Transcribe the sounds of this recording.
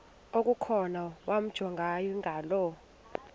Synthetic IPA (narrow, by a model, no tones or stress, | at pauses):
ok̬ʼukʰɔnawam̩d̥ʒ̥ʱɔŋɡʱajiŋɡʱalɔ